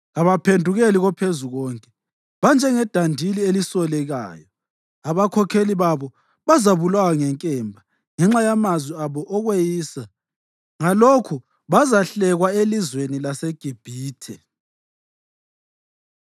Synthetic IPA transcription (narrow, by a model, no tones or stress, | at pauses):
aβapʰendʱuɣeliɣɔpʰezuɣɔŋkʼɛ | βand͡ʒʱɛŋɛd̥ʱandʱilielisɔlɛɣa̰ːjɔ | aβakʰɔkʰeliβaβɔ | βazaβulwawaŋɛŋkʼɛmbʱa | ŋɛŋ͡ǁajamazwiaβɔʔɔɣwejiːsa | ŋalokʰu | βazaɬɛɣwaelizwenilaseɡ̥ʱib̥ʱiːtʰɛ